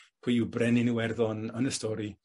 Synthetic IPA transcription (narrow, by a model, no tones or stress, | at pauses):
pʰwiɪwbrɛninuwɛrðɔnənəstɔɾi